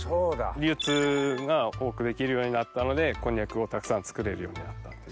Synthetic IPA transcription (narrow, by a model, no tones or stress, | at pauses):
soːd̪aɾʲɯːt͡sɨɡao̞ːkɯ̟d̪e̞kʲiɾɯjo̞ːɲ̟inat̪ːano̞d̪e̞kõ̞ɲ̟jakɯ̟o̞t̪akɯ̟̥sãnt͡sɨ̥kɯ̟ɾe̞ɾɯ̟jo̞ːɲ̟ḭnat̪ːḁt̪ːe